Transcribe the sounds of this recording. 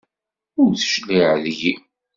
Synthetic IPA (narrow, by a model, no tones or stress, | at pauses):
ʊɾθʃliʕðji